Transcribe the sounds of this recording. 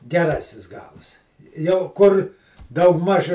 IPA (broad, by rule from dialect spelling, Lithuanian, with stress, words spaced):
ɡʲɛˈrɑːsʲɪs ˈɡɐlˠs jɛʊ ˈkʊr ˈdɐʊɡˌmɐʃ